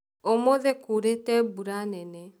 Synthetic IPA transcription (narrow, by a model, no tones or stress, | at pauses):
omoðekuɾetɛbuɾanɛnɛ